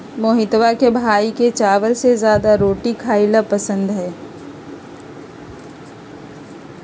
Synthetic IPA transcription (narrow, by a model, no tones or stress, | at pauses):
moːɦɪt̪ʋakebʱaːiket͡ʃaːʋəɾsezjaːd̪aɾoːʈikʰaːɪlapɐsə̃nd̪ɦɛː